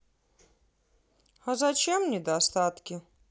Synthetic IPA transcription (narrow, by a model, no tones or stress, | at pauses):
azɐt͡ɕemnʲɪd̪ast̪at̪kʲɪ